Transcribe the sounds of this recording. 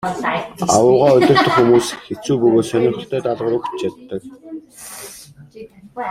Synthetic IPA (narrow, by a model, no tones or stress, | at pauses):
a̰wʊːʁaːɵt̪ʲɪ̆r̥t̪ɵ̆χxumuːsxet͡suːpɵɣoːt̪sœnʲɪ̆ktʰt̪ʰːœːt̪aɮʁə̆ɾʊkt͡ɕt͡ɕat̪ːə̆k̚